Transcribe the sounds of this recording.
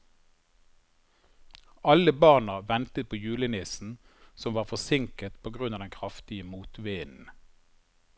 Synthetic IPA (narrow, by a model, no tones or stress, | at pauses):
ɑləbɑʁnəʋɛnt̪ət̪̚pʰoːjʉːlənɪsn̩ | sɔmʋɑːʁfɔsɪŋkət̪pʰoːɡʁʉnɑːd̪ɛnkʰʁɑft̪ɪəmuːt̪ʋeːnn̩